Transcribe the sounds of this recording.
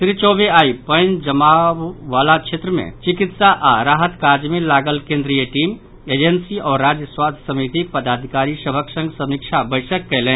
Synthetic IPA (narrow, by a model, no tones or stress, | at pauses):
sɾit͡ʃɔːbeaːipə̃ɪnd͡ʒəmawːaːlakt͡ʃʰet̪ɾəmḛ̃t͡ʃɪkɪt̪saʔaɾaːɦət̪kaɾd͡ʒmẽlaːɡəlkẽnd̪ɾijəʈiːm | eːd͡ʒensiɔːɾad͡ʒjəswad̪ʰʱsəmit̪ik̚pəd̪aːd̪ʱikaːɾisəbʱəksə̃ŋɡsəmikt͡ʃʰabəɪsəkːɛlẽ